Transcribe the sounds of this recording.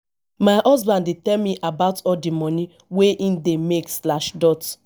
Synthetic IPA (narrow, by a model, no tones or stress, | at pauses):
maʔɔzbãndetɛlmiʔabaʊtɔldimɔ̃ni | weʔĩndemekslaʃdɔt